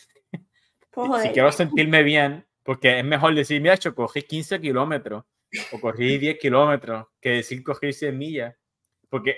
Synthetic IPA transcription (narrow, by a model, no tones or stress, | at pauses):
osikjeɾose̞nt̪iɾme̞βje̞ŋ | po̞ɾke̞ezme̞xo̞ld̪esimiɾat͡ʃo̞ko̞rikinsekilo̞me̞t̪ɾo̞h | oko̞riðje̞hkilo̞me̞t̪ɾo̞hke̞ðesilko̞xiɾsjemiʝa | po̞ɾke̞